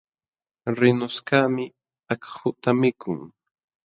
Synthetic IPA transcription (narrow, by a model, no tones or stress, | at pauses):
ɾɪnʊskaːmɪ | akhʊt̪amɪkʰʊŋ